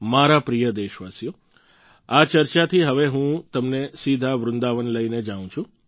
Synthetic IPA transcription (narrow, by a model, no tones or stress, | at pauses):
maɾapɾijəd̪eʃʋasjo | at͡ʃəɾt͡ʃat̪ʰiɦəʋeɦũt̪əmnesid̪ʱaʋɾʊnd̪aʋənləined͡ʒaʋũt͡ʃʰũ